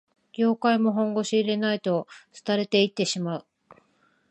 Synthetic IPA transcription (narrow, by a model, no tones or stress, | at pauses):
ɡ̥ʲo̞ːkaimo̞ɦõ̞ŋɡo̞ɕiːɾe̞nait̪o̞t͡sɨ̥t̪aɾe̞t̪e̞it̪ːe̞ɕimaɯ̟